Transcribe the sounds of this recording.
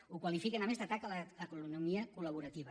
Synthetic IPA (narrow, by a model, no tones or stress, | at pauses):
ukwalifikenamest̪at̪akalaəkununumiəkulɐβuɾat̪iβa